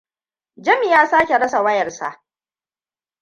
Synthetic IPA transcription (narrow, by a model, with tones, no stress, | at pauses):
d͡ʒɐ˦mi˦˨jaː˦saː˦kʲe˨ɽɐ˦sa˨wɐ˦jɐ˨rsa̰˨ʔ